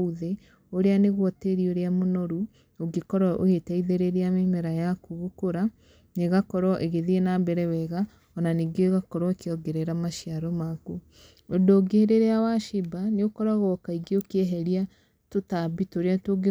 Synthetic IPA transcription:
uðe | oɾeaneɣwɔteɾioɾeamonɔɾu | oɡekɔɾɔʔo̰hetaiðeɾeɾeamemɛɾajakuɣokoɾa | neɣakɔɾɔʔeɣeðienabɛɾɛwɛɣa | ɔnaniːɡeoɣakɔɾɔkeɔɡeɾɛɾamaʃiaɾɔmaku | ondoːɡeɾeɾeawaʃibaneokɔɾaɣɔkaiɡeokɛɦɛɾia | totabitoɾeatoɡe

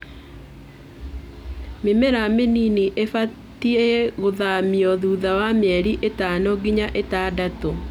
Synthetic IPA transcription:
memɛɾameniniʔefa | tieɣoðamiɔðuːðawamɛɾiʔetanɔɡiɲaʔetaːdato

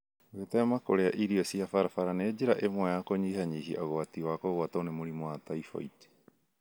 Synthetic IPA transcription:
ɣetɛmakoɾeaʔiɾiɔsiafaɾafaɾaned͡ʑeɾaʔemwɛjakoɲiːɦaɲiɦiʔaɣoatiwakoɣoataonemoɾimɔwataifɔ̰it

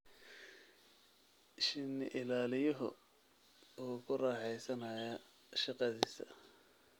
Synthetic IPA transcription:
ʃɪnːɪʔɪlaːlɪjɔɦɔ | uːkʰʊrɑːħɛjsɐnɐjɐ | ʃɑqɑðiːsɐ̰

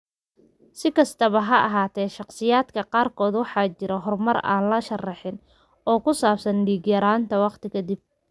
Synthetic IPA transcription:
sɪkʰɐst̪ʰɐβɐɦɐʔɑɦaːt̪ʰɛːʃɑqsɪjaːd̪kʰɐqɑːrkʰɔːd̪wɑħɑːt͡ʃɪɾɐɦɔrmɐra̰ːnlɐʃɐrɑħɪn | ɔːkʰʊsaːbsɐnɖiːɡjɐɾaːnt̪ʰɐwɑqt̪ʰɪkʰɐd̪ib̚

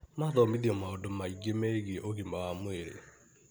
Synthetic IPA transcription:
maðɔmidiɔmaodomaiɡemɛɡɪʔokimawamʊeɾḛ

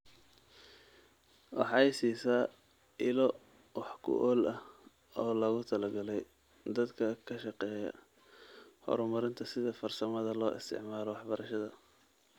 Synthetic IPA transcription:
wɑ̰ħɑɛjsiːsaː | ʔɪlɔ | wɑħkʰʊ̰ʔɔːlɐh | ɔːlɐɣʊt̪ʰɐlɐɡɐlɛj | d̪ɐd̪kʰɐkʰɐʃɑqɛːjɐ̰ | hɔ̰ɾmɐɾɪnt̪ʰɐsɪðɐfɐrsɐmɐðɐlɔːʔɪ̰st̪ʰɪ̰ʕmaːlɔwɑħbɐɾʔɐʃɐðɐ

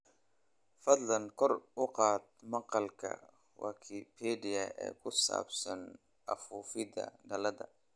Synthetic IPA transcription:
fɐd̪lɐnkʰɔrʊqɑːd̪mɑqɑlkʰɐ̰ | wɑ̰ːkʰipʰɛɖɪɐɛ̰ːkʰʊsa̰ːbsɐn | ʔɐfuːfɪd̪ɐ̰ɖɐlɐðɐ̰

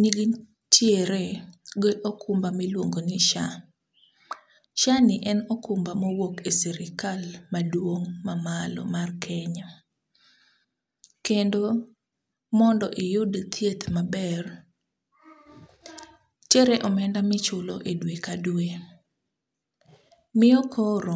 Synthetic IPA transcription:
niɡi | tjeɾeɡeʔokʰʊmbamilwoŋɡonɪʃa | ʃanɪʔɛnɔkʊmbamowokesɛɾɪkalmadwoŋmamalɔ̰markʰɛɲa | kendo | mɔndɔʔɪjʊdt̪ʰjet̪mabɛr | t͡ʃeɾɛʔɔmɛndamɪt͡ʃʊlo̰ʔedwekadwe | mɪɔkʰoɾo

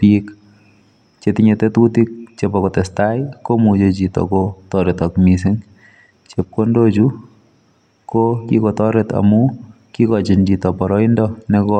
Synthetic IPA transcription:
pik | t͡ʃet̪ɪɲet̪et̪utik̚t͡ʃepɔkɔtɛstajkomut͡ʃet͡ʃit̪ɔ̰kotɔɾet̪akmis̬ɪŋ | t͡ʃep̚kondot͡ʃu | kokḭkɔt̪ɔɾɛt̪a̰mu | kikɔt͡ʃind͡ʒit̪ɔpɔɾɔɪndɔnekɔ

